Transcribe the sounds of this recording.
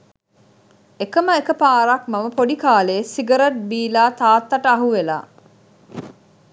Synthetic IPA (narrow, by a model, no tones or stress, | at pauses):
ekəməekəpaːɾɐkmaməpoɖikaːleːsiɡəɾɐʈ̚biːlaːt̪aːt̪ːɐʈəɐɦuʋela̰ː